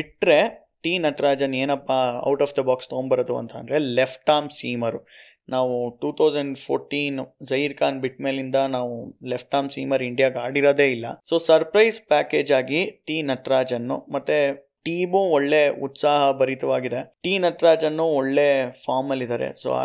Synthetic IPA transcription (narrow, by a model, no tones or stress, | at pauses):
biʈɾe̞ | ʈiːnɐʈɾaːd͡ʒɐneːnɐpːaɐ̰wʈɐːfd̪ɐbaːkst̪oːnbɐɾɐd̪uɐ̰nt̪ʰɐ̰nd̪ɾe̞lepʰʈaːmsiːmɐɾu | naːʋuʈuːt̪ʰɐwd͡ʒɐɳɖpʰoːɾʈiːnzɐjiɾkaːnbiʈmeːlind̪ɐnaːʋulepʰʈaːmsiːmɐɾiɳɖijaːɡaːɽiɾoːd̪e̞ːilːɐ̰so̞ːsɐɾpɾɐjspæːke̞ːd͡ʒaːɡiʈiːnɐʈɾaːd͡ʒɐnːṵmɐt̪ːe | ʈiːmuːɔɭːe̞ut̪saːɦɐbɐɾit̪ɐʋaːɡid̪e̞ʈiːnɐʈɾaːd͡ʒɐnːuɔɭːefʰaːɾmːɐlːid̪aːɾḛso̰ːa̰